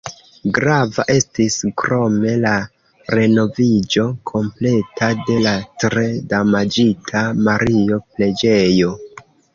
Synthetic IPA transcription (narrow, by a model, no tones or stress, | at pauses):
ɡɾava̰ʔe̞stiskɾo̞me̞la | ɾe̞no̞vid͡ʒo̞kʰo̞mple̞tʰade̞latɾe̞damad͡ʒitʰamaɾio̞ple̞d͡ʒe̞jo̞